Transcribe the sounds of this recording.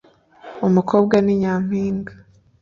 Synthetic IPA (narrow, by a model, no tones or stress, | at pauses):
umukʰo̞ːbɡaniɲaːm̥hiːŋɡḁ